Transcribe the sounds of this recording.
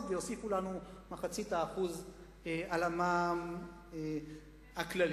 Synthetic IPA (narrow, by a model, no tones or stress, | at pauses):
vejosifulanumaχat͡sit̪aːχuz | ealamam | haklal